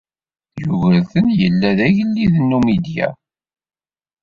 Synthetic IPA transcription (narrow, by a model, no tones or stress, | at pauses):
juʝəlθənjəlːæðæʝəlːiðənːumid̪jæ̰